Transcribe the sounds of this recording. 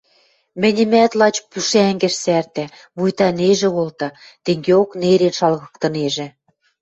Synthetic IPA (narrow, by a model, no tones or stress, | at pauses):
mɘ̆nʲɘ̆mæt̪lɑt͡ɕpuʃæŋɡɘ̆ʃsært̪æ | mujt̪ɑneʒĕolt̪ɑ | t̪eŋɡeokneɾenʃɑlɣɤ̆kt̪ɤ̆neʒĕ